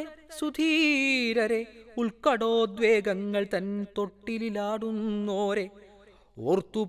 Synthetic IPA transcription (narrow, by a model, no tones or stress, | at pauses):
sud̪ʱiːɾɐɾe̞uɭkɐɽoːd̪ʋeːɡɐŋɡɐɭt̪ɐnːet̪oʈːililaːɽunːoːɾe̞ | oɾt̪ːu